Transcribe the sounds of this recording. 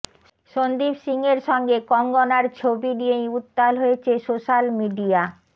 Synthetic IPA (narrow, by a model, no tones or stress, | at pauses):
ʃond̪ipsiŋeɾʃɔŋɡekɔŋɡɔnaɾt͡ɕʰobiniejut̪ːalɦoet͡ɕʰesoʃalmiɖia